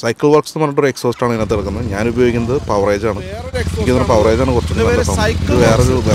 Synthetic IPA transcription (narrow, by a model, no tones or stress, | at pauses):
sɐjkːɐɭʋɐrksnɨmɐnːɐʈːoɾɨekso̞ːsʈaːɳinɐt̪ːeɐɭkːunːɐðɨɲaːnubɐjo̞ːɡikʲːunːɐðɨpɐʋrejd͡ʑaːɳɨikːinɐnːɐpɐʋrejd͡ʑaːɳɨkurɐt͡ɕːɐnːɐlɐsɐiðɨʋeːreoɾuʋe